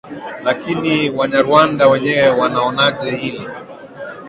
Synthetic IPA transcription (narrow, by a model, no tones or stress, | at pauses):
lakiniwaɲaɾuandawɛɲɛwɛwanaɔnaʄɛhili